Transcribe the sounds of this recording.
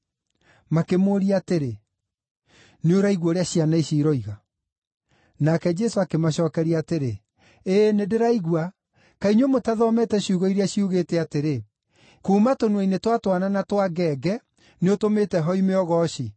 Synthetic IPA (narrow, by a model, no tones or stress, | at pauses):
makemoːɾiateɾe | neoɾaiɣwɔɾeaɕianaiɕiɾɔiɣa | nakɛd͡ʒɛsoakemaɕɔːkɛɾiateɾe | eːnedeɾaiɣwa | kaiɲomotaðɔmɛtɛɕuːɣɔiɾeaɕiuɣetɛateɾe | kuːmatonɛinetwatwananatwaɡɛɡɛ | neotometɛɦɔimeɔɣɔɕi